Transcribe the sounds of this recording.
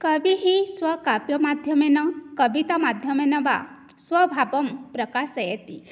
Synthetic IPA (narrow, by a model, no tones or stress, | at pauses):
kəbiɦisʋəkapjəmad̪ʱjəmenəkəʋit̪amad̪ʱjəmenəʋa̰ | sʋəbʱabəmpɾəkasəjet̪ḭ